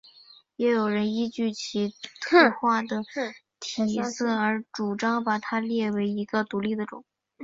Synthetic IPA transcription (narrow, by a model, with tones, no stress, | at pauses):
jɛ˧˥jo˨˩ʊɻə˧˥ni˥t͡ɕy˥˩t͡ɕʰi˧˥t̪ʰɤ˥˧xwa˥˩d̪ə˩ | t̪ʰi˨˩sɤ˥˩ə˞˧˥ʈ͡ʂu˨˩ʈ͡ʂɑ˥ŋpa˨˩t̪ʰa˥ljɛ˥˩we˧˥ɪi˧˥ɡə˧t̪u˧˥li˥˩d̪ə˩ʈ͡ʂʊ̰˨˩˦ŋ